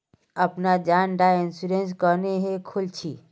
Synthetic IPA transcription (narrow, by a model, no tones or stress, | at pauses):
əpnad͡ʒaːnɖaɪnsuɾens̬kəneɦekʰʊlt͡ʃʰi